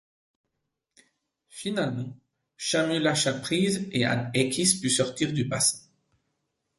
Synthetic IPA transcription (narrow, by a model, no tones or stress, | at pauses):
finalmɑ̃ | ʃamylaʃapχizea̰nekʲʰispysɔʁt̪iʁd̪ybasɛ̥̃